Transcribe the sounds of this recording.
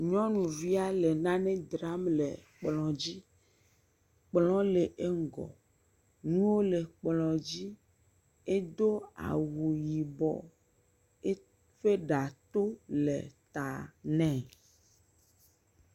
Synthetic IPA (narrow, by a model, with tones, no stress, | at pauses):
ɲɔ̃˦nũ˨vi˦a˦le˨nã˦nɛ̃˦d̪ɾa˦mlḛ˨k͡plɔ̃˨d͡ʑi˦ | k͡plɔ̃˦le˨ʔe˦ŋ˨ɡɔ̰˨ | nũ˦wo˦le˨k͡plɔ̃˨d͡ʑi˦ | e˦d̪o˦a̰˨wu˨ji˨bɔ̰˨ | e˦ | ɸe˦ɖa˨t̪o˦lḛ˨t̪a˨nɛ̃˨